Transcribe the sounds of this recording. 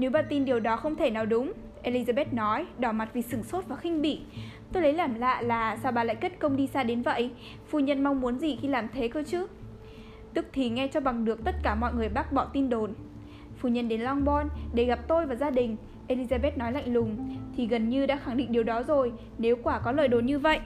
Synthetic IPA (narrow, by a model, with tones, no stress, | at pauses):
ne˨˦wɓaː˧t̪i˧nɗi˨˩əwɗɔ˨˦xə˧wŋ͡mt̪ʰe˧˩naː˨˩wɗʊ˨˦ŋ͡m | ʔe˧li˧zaː˧ɓɛ˦˥t̚nɔ˨˦jɗɔ˧˩ma˨˩t̚vi˨˩sɨ˧˩ŋso˦˥t̚vaː˨˩xï˧ŋ̟ɓḭ˧˨t̪o˧jlə˨˦jlaː˨˩mla̰ː˧˨laː˨˩saː˧wɓaː˧la̰ː˧˨jke˦˥t̚kə˧wŋ͡mɗi˧saː˧ɗe˨˦nvə̰˧˨j | fṵ˧˨ɲə˧nma˧wŋ͡mmu˨˦ənzi˨˩xi˧laː˨˩mt̪ʰe˨˦kə˧t͡ɕɨ˦˥k̚ | t̪ɨ˦˥k̚t̪ʰi˨˩ŋɛ˧t͡ɕɔ˧ɓa˨˩ŋɗɨ˨˩ək̚t̪ə˦˥t̚kaː˧˩mɔ̰˧˨jŋɨ˨˩əjɓaː˦˥k̚ɓɔ˧˩t̪i˧nɗo˨˩n | fṵ˧˨ɲə˧nɗe˨˦nlɔ˧ŋɓɔ˧nɗe˧˩ɣa˨˩p̚t̪o˧jvaː˨˩zaː˧ɗï˨˩ŋ̟ | ʔe˧li˧zaː˧ɓe˦˥t̚nɔ˨˦jla̰˧˨jŋ̟lʊ˨˩ŋ͡mt̪ʰi˨˩ɣə˨˩nɲɨ˧ɗa̰ː˧˥xa˧˩ŋɗḭ˧˨ŋ̟ɗi˨˩əwɗɔ˨˦zo˨˩j | ne˨˦wkwaː˧˩kɔ˨˦ləː˧˨jɗo˨˩nɲɨ˧və̰˧˨jʔ